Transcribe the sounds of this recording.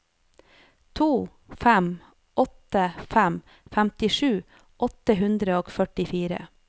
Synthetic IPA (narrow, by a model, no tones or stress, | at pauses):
t̪ʰuː | fæm | ʔɔt̪əfæm | fæmt̪ɪʃʉː | ʔɔt̪əɦʉnd̪ɾəoːɡfœʈɪfiːɾə̰